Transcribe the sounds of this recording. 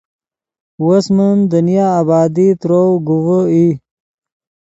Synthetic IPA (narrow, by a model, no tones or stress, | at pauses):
wɐsmənd̪ənjaːbɑːd̪it̪ɾowɡuwəi